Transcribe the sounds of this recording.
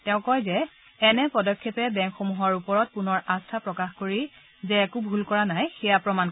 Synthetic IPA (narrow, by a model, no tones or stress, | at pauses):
tɛʊ̃kɔjzɛː | nɛpɔdɔkʰːepɛbɛŋxomuɦɔɹupɔɹɔt̚punɔɹastʰapɹɔkaxkoɹi | zɛːkubʱulkɔɹanajxɛjapɹɔman